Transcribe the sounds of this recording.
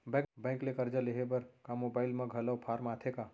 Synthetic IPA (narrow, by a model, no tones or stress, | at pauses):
bɛ̃bɛ̃ːŋklekəɾd͡ʒəleɦebəɾkamobaːɪlmɐ̃ɡʱɐləwpʰaːɾmaːt̪ʰeka